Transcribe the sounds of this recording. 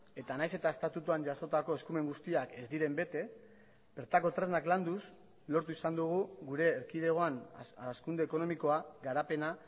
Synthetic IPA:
e̞t̪anajse̞t̪ae̞st̪at̪ut̪uaɲʝaso̞t̪ako̞e̞skume̞ŋɡust̪iake̞zd̪iɾe̞mbe̞t̪e̞ | b̥e̞ɾt̪ako̞t̪ɾe̞znakland̪us | lo̞ɾt̪uisand̪uɣ̞uɡuɾe̞ːɾkið̞e̞ɣ̞o̞anskund̪e̞ːko̞no̞miko̞aɡaɾape̞na

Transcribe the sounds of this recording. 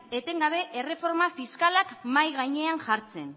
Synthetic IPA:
e̞t̪e̞ŋɡaβ̞e̞ʔere̞fo̞ɾmafiskalakmajɣ̞ajɲe̞aŋʝaɾt͡se̞n

